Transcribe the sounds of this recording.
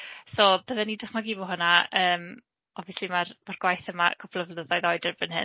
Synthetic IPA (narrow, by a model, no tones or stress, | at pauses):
soːbəðɛnidrɪχmaɡiːbɔɦʊnaəːm | ɔviəslˠimarmarɡwajθəma̰kʰɔpʰlˠəvləðɔjðɔɨdərbɪnhɨ̰